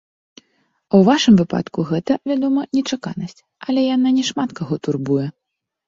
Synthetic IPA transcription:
awvaʂɨmvɨpa̰t̪kuɣɛt̪ɐvʲad̪ɔmɐnʲɛt͡ʂaka̰nɐsʲt͡sʲ | ɐlʲɛjananʲɛʂmat̪kaɣɔt̪urbujɛ

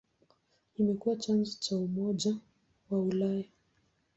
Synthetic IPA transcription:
kimɛkuwat͡ʃanzɔt͡ʃaumɔʄa | waulaja

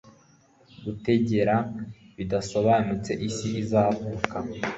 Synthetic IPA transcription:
ɡute̞ɟe̞ɾaβidaso̞βaːnut͡se̞ʔisiʔizavuka

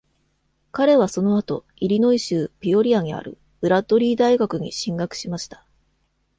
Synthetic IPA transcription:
kaɾe̞β̞aso̞no̞at̪o̞̰ | iɾʲino̞iɕɨːpʲio̞ɾʲiaɲ̟ia̰ɾɯ̟̰ | ɯ̟ɾat̪o̞ɾʲiːd̪aiɡakɯ̟ɲ̟ḭɕĩŋɡakɯ̟̥ɕimaɕi̥t̪ḁ

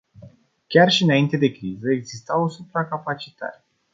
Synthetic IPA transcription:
kʲarʃiɨnaint̪e̞d̪e̞kɾizəeɡzist̪awosupɾakapat͡ʃi̥t̪a̰ɾʲ

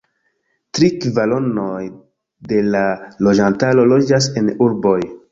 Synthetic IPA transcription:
tɾikvalo̞noj | de̞lalo̞d͡ʒantalo̞lo̞d͡ʒase̞nuɾbo̞j

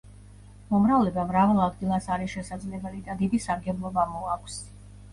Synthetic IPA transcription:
mɔmɾavlɛbamɾavɛlˠad̪ɡilˠasaɾisʃɛsad̪zlɛbɛlid̪ad̪id̪isaɾɡɛblˠɔbamɔakʷʰs

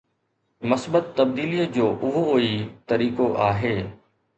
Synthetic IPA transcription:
mɐsbət̪ːəb̚d̪iːlijəd͡ʑoːʔʊɦoɦoit̪ɐɾiːkoʔaːɦeː

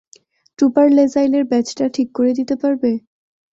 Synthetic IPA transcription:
ʈupaɾlezajleɾbɛt͡ɕʈaʈʰikːoɾed̪it̪epaɾbe

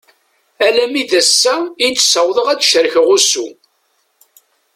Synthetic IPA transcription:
ælæmiðæsːæit͡s̪ːsəwðˤəʁæt͡sʃəɾəçʁusu

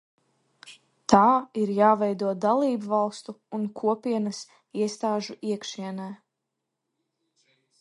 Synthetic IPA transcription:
t̪aːiɾjaːvɛjd̪uɔd̪alˠiːbvɑlˠst̪uːnkʰuɔpiɛnɐs | iɛst̪aːʒuiɛkʃiɛnɛː

